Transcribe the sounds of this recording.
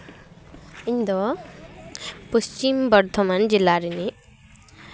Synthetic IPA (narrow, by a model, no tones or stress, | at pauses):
ind̪ɔ | pust͡ʃimbʌɾt̪ʰɔmand͡ʒilːaɾini